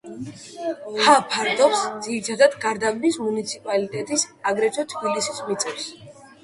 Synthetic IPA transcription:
hapʰaɾd̪ɔχsd̪ziɾit̪ʰad̪ad̪ɡaɾd̪ambismunit̪sʰipʼalit̪ʼɛt̪ʼisaɡɾɛt͡ʃʰɔt̪ʰbilisismit̪sʼɛfs

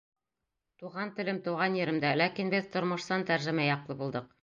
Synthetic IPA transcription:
t̪uʁɑnt̪ɘ̆lɘmt̪ŏwʁɑnjɘ̆ɾɘ̆md̪ælækinbɘðt̪ŏɾmŏʃsɑnt̪æɾʒɘ̆mæjɒqlˠɤbulˠd̪ɤq̚

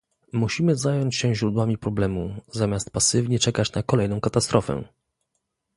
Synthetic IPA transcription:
muɕimɘzajɔɲt͡ɕɕɛʑɾud̪wamʲipɾɔblɛmuzamʲjast̪̚pasɘvɲɛt͡ʂɛkat͡ɕnakɔlɛjnɔ̃w̃kat̪ast̪ɾɔfɛ̰

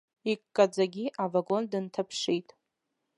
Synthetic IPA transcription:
ikkːʼad͡zaɡʲiʔavaɡo̞ndɨntʰapʰʂijtʼ

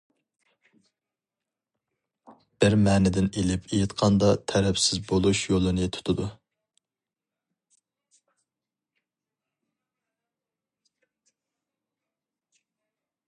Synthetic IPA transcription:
b̥ɪɾmæːnɪd̪ɪnelɪpʰejɪt̪qʰɑnd̪ɑt̪ʰɛɾɛpsɪzbolˠuʃjolˠɨnɨt̪ʰu̥t̪ʰʊd̪u

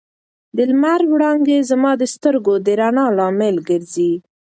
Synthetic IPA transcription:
d̪əlmaɾwɽɑŋɡezamɑd̪əst̪əɾɡod̪əɾanɑlɑmɪlɡəɾzi

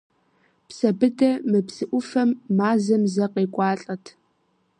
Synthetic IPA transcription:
psɐbɨdɐmɨpsɨʔʷʊfɐmːaːzɐmzɐqeːkʷʼɑːɬʼɐtʰ

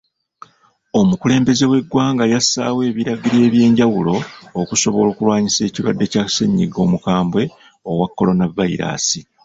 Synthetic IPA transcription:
o̞mukule̞ːmbe̞ze̞we̞ɡwaːŋɡajasːa̰ːwe̞ːβiɾaɡiɾe̞ːβje̞ːɲɟawulo̞ːkuso̞βo̞lo̞ːkulwaːɲise̞ːciɾwadːe̞cḁseɲːḭɡo̞̰mukaːmbwe̞ | o̞wakːo̞lo̞navːaḭɾa̰ːsi

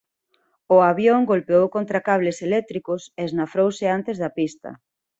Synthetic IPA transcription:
ʊaβjoŋɡolpeowkont̪ɾakaβleselɛk̚t̪ɾikʊseːznafɾowsɪant̪ezðɐpist̪ɐ̰

